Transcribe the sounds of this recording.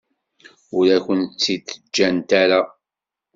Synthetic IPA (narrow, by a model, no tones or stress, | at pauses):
ʊɾæçʷənt͡sːit̪ːəd͡ʒːænt̪aɾa